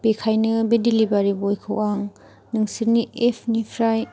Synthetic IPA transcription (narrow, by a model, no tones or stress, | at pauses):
pekʰajnɯbedilibaɾibojkʰɯwaŋ | nɯŋsiɾniepʰnipʰɾaj